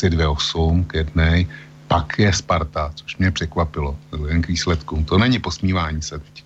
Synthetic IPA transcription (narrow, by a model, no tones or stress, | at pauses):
sɪdvjɛosumkjɛdnɛj | pakjɛspaɾt̪at͡soʃmɲɛpr̥ɛkvapɪlo̞udɛmkviːslɛt̪kumt̪onɛɲɪpo̞smiːvaːɲiːsɛt̪ɛ̥c